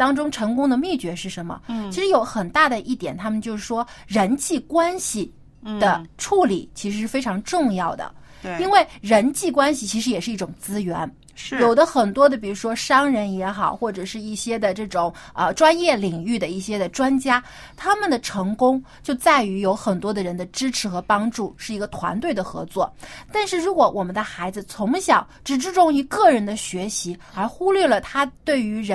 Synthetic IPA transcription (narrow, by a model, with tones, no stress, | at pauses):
t̪ɑ˥ŋʈ͡ʂʊ˥ŋʈ͡ʂʰɤ˧˥ŋkʊ˥ŋd̪ə˨mi˥˩t͡ɕɥɛ˧˥ʂɻ̩˥˩ʂə˧˥nmə̰˧t͡ɕʰi˧˥ʂɻ̩˧˥jo˧˥ʊxə˨˩nt̪a˥˩d̪ə˩ʔi˥˩t̪jɛ˨˩nt̪ʰa˥mə˨nt͡ɕjo˥˧ʊʂɻ̩˥˩ʂwɔ˥ɻə˧˥nt͡ɕi˥˩kwa˥nɕi˨˩ | d̪ə˩ʈ͡ʂʰu˥˩li˨˩t͡ɕʰi˧˥ʂɻ̩˧˥ʂɻ̩˥˩fe˥ɪʈ͡ʂʰɑ˧˥ŋʈ͡ʂʊ˥˧ŋjɑ˥˩ʊd̪ə̰˩ | i˥nwe˥˩ɪɻə˧˥nt͡ɕi˥˩kwa˥nɕi˨˩t͡ɕʰi˧˥ʂɻ̩˧˥jɛ˨˩ʂɻ̩˥˧i˥˩ʈ͡ʂʊ˨˩ŋt͡sɹ̩˥ɥɛ̰˧˥n | jo˨˩ʊd̪ə˦xə˨˩nt̪wɔ˥d̪ə˨˩pi˨˩ɻu˧˥ʂwɔ˥ʂɑ˥ŋɻə˧˥njɛ˧˥xɑ˨˩ʊxwɔ˥˩ʈ͡ʂɤ˨˩ʂɻ̩˥˧i˥˩ɕjɛ˥d̪ə˨ʈ͡ʂɤ˥˩ʈ͡ʂʊ˨˩˦ŋə˧ʈ͡ʂwa˥njɛ˥˩li˨˩ŋy˥˩d̪ə˩i˥˩ɕjɛ˥d̪ə˨ʈ͡ʂwa˥nt͡ɕja˥ | t̪ʰa˥mə˨nd̪ə˩ʈ͡ʂʰɤ˧˥ŋkʊ˥ŋ | t͡ɕjo˥˧ʊt͡sa˥˩ɪy˧˥jo˧˥ʊxə˨˩nt̪wɔ˥d̪ə˨ɻə˧˥nd̪ə˧ʈ͡ʂɻ̩˥ʈ͡ʂʰɻ̩˧˥xɤ˧˥pɑ˥ŋʈ͡ʂu˥˩ʂɻ̩˥˩i˧˥ɡə˧t̪ʰwa̰˧˥nt̪we˥˩ɪd̪ə˩xɤ̰˧˥t͡swɔ˥˩t̪a˥˧nʂɻ̩˥˩ɻu˧˥kwɔ˧˥wɔ˨˩mə˦nd̪ə˧xa˧˥ɪd͡zɹ̩˧t͡sʰʊ˧˥ŋɕjɑ˨˩˦ʊʈ͡ʂɻ̩˨˩ʈ͡ʂɻ̩˥˧ʈ͡ʂʊ˥˧ŋi˧˥kɤ˥˩ɻə˧˥nd̪ə˧ɕɥɛ˧˥ɕi˧˥ | ə˞˧˥xu˥lɥɛ˥˩lə˩t̪ʰa˥t̪we˥˩ɪy˧˥ɻə˧˥